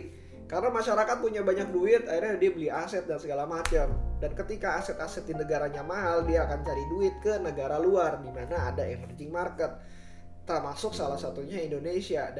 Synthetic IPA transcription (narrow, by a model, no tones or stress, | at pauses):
kaɾənamaʃaɾakat̪̚puɲabaɲak̚duɪt̪airɲadiabəliasɛt̪̚dansəɡalamat͡ʃamdankət̪ikaːsɛt̪asɛt̪̚dinəɡaɾaɲamaɦaldiaːkant͡ʃaɾiduɪt̪̚kənəɡaɾaluardimanaːdaɛfnd͡ʒɪŋmarkət̪̚ː | ərmasʊksalahsat̪uɲaindonesia